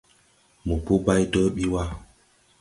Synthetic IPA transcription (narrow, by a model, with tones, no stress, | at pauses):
mu˨pu˦ba˦jdo˦ɓi˦wa˦